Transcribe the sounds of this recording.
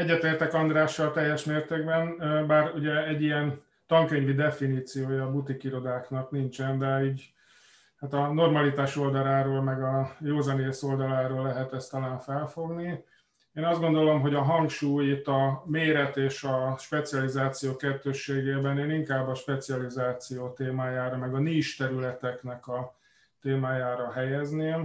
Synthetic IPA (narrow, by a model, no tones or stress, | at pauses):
ɛɟːɛt̪eːrt̪ɛkɒnd̪ɾaːʃːɒlt̪ɛjːɛʃmeːrt̪eːɡbɛnbaːruɟɛɛɟːijɛn | t̪ɒŋkøɲvid̪ɛfiniːt̪sijoːjɒːbut̪ikiɾo̞d̪aːknɒknint͡ʃɛnd̪ɛiːɟ | hat̪ɒno̞rmɒlit̪aːʃo̞ld̪ɒlaːɾoːlmɛɡɒjoːzɒneːso̞ld̪ɒlaːɾoːlːɛɦɛt̪ɛst̪ɒlaːɱfɛlfo̞ɡni | eːnɒzd̪ɡo̞nd̪o̞lo̞mɦo̞ɟɒɦɒŋkʃuːjit̪ːɒmeːɾɛt̪eːʃɒʃpɛt̪siɒlizaːt̪sijoːkɛt̪ːøːʃːeːɡeːbɛneːliŋkaːbːɒʃpɛt̪siɒlizaːt̪sijoːt̪eːmaːjaːɾɒmɛɡɒniːʃt̪ɛɾylɛt̪ɛknɛkɒ | t̪eːmaːjaːɾɒɦɛjɛzneːm